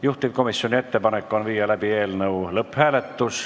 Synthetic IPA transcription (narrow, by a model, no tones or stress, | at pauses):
juht̪ipko̞misjonʲie̞t̪ːepɑnekːonʋiːjɑlæb̥ie̞ːlnɤulɤpːhæːlet̪ːus